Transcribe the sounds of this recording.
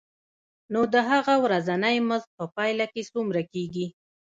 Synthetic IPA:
nod̪əɦaɣawɾazanajməzt̪̚pəpɑjlakesumɾakeɡi

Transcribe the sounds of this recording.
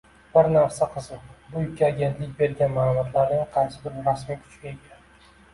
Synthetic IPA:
bɪɾnafsaqʰɨzɪbʊjɪkʲːaːɡʲe̞nt̪lɪk̚ʲbe̞ɾɡʲanmaːlˠʊmɒt̪ʰlaɾnɪŋqʰɑjsɪbɪɾɾasmijkʲʰʊ̥t͡ʃɡʲaekʲʰan

